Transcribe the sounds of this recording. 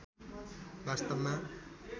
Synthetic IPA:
bast̪ʌbma

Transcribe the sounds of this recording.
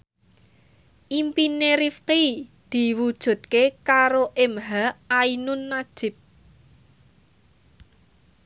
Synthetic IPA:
ʔimpineɾifqid̪̥i̤wud̥ʒ̥ṳt̪̚kekaɾoʔɪmɦaainʊnːad̥ʒ̥ɪ̤p̚

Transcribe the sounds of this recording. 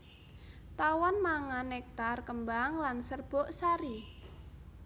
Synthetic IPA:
t̪awɔnmaŋanɛk̚t̪arkəmbaŋlansərb̥ɔ̤ʔsaɾi

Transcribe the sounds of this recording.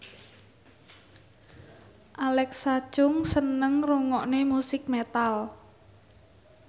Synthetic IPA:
ʔalɛksḁt͡ʃʊŋsənəŋruŋɔʔnemusɪk̚met̪al

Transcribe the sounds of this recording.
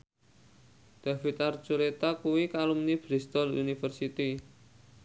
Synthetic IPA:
d̪̥a̤fit̪art͡ʃulet̪akuwikalumnib̥ɾist̪ɔlṵnifərsit̪i

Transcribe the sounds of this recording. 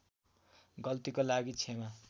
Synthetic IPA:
ɡʌlt̪ikolaɡit͡sʰema

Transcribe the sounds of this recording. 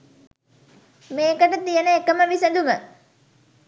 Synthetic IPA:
meːkəʈət̪ijənəekəməʋisənd̪umə

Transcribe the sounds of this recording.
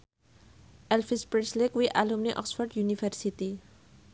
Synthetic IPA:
ʔɛlfispɾɛslikwiʔalumneʔɔ̰ksfɔrɖjunifɛrsit̪i

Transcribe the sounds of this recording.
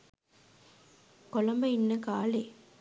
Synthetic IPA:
kolɐmbɐinːɐkaːleː

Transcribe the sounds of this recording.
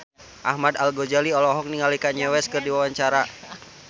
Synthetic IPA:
ʔa̰hmadalɡɔd͡ʒaliɔlɔɦɔk̚niŋalikaɲɛwɛskɨrdiwawaɲt͡ʃaɾa

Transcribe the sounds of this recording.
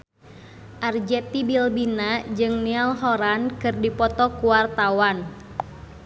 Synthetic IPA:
ʔard͡ʒɛt̪ibilbinad͡ʒɨŋnialɦɔɾankɨrdipɔt̪ɔkuwart̪awan

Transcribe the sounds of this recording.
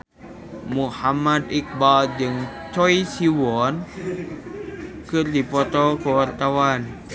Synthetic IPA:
muhamːad̪̚ʔik̚baːld͡ʒɯŋ | t̪ʰojsiwɔn | kʰɯndipɔt̪ɔːkʰɔt̪awan

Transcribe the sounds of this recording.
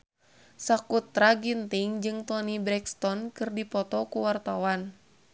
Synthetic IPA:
sakut̪ɾaɡint̪iŋd͡ʒɨŋt̪ɔnibɾɛkst̪ɔnkɨrdipɔt̪ɔkuwart̪awan

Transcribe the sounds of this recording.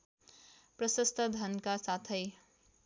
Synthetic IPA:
prʌsʌst̪ʰʌd̪ʱʌnkasat̪ʰʌj

